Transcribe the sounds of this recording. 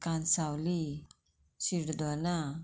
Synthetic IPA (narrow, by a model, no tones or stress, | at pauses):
kansawli | siɾd̪ɔna